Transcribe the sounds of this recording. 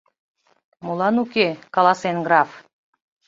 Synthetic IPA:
mulˠɑnukekɑlˠɑsenɡɾɑf

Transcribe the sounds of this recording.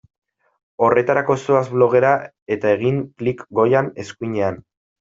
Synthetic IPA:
o̞re̞t̪aɾako̞soazβlo̞ɣe̞ɾa | e̞t̪ae̞ɣ̞iŋklikɡo̞jane̞skuɲe̞an

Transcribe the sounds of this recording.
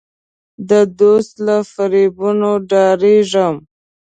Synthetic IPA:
d̪əd̪ost̪lafaɾibunoɖɑɾeʐəm

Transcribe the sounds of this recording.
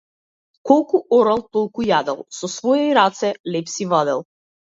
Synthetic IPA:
kɔlˠkuʔɔɾalˠt̪ɔlˠkujad̪ɛ̰lˠsɔsvɔjɛiɾat̪sɛlɛpsivad̪ɛlˠ

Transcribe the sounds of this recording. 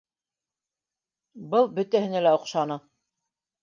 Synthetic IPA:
bɤlˠbɵ̆t̪æhɘ̆nælæŏqʃɑnɤ

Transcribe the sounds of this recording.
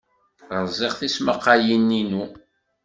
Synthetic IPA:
ɾzˤeʁθisməqːajinːinu

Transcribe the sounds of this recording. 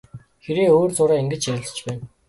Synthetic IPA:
xeɾeːoːrt͡sʊɾaːiŋɡɘ̆t͡ɕt͡ɕiɾʲɪ̆ɮ̥̆t͡ɕpæːn

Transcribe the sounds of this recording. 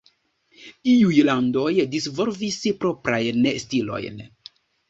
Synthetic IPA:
iujlando̞jdisvolvispɾo̞pɾajnestilo̞̰jn

